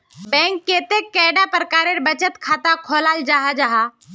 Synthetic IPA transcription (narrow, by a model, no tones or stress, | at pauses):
bɛ̃ːŋkːeːt̪ekːɛːɖapɾəkaːɾeɾbət͡ʃət̪kʰaːt̪akʰoːlaːld͡ʒaːɦad͡ʒaːɦaː